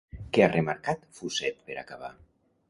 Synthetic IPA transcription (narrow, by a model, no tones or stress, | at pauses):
kearemaɾkat̪fuzɛt̪̚peɾa̰kaβ̞a̰